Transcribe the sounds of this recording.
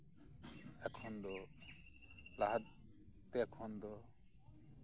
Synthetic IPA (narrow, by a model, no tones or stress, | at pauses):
ɛkʰɔnd̪ɔ | laɦad̪̚ | t̪ɛkʰɔnd̪ɔ